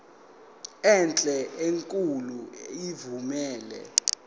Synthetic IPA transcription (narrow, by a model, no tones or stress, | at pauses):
ɛnt͡ɬʼɛʔeŋkʼuluivumɛːlɛ̰